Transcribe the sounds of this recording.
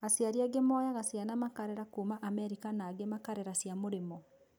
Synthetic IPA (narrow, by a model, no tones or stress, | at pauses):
asjaɾiaɡemɔjaɣasjanamakaɾɛɾakuːmaʔamɛɾikanaɡemakaɾɛɾasjamoɾemɔ